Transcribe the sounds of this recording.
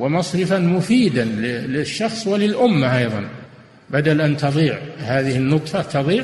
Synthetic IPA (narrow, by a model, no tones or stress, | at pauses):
wɪmɑsˤɾɪfanmʊfiːd̪anlɪlɪʃːɑxsˤwɪlɪlʔʊmːaʔɑjðˤɑ̰n | bad̪alʔant̪ɑðˤiːʕhaːðɪhɪnːʊt̪ˤfɑt̪ɑðˤiːʕ